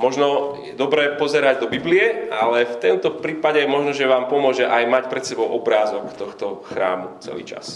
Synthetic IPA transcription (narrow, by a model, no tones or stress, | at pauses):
mɔʒnɔjɛd̪ɔbɾɛːpɔzɛɾaɟd̪ɔbibliɛalɛft̪ɛmt̪ɔpɾiːpaɟɛmɔʒnɔʒɛʋaːmpɔmʊɔʒɛʔajmacpɾɛt̪sɛbɔʊʔɔbɾaːzɔkt̪ɔxt̪ɔxɾa̰ːmut͡sɛ̰lḭːt͡ʃa̰s